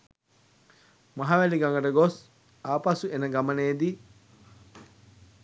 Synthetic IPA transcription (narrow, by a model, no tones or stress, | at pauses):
mɐɦaʋæliɡɐŋɡɐɖɐɡos | aːpasuenɐɡɐmɐneːd̪i